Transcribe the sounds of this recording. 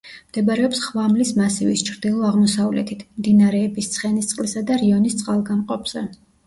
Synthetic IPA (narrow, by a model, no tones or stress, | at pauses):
md̪̥ɛbɾɛɔpsχvamlismasivist͡ʃʰɾd̪ilˠɔaʁmɔsavlɛ̰t̪ʰit̪ʰmd̪inaɾɛːbist̪sʰχɛnist̪sʼqʼlisad̪aɾiɔnist̪sʼqʼalˠɡamqʼɔpʰz̥ɛ̰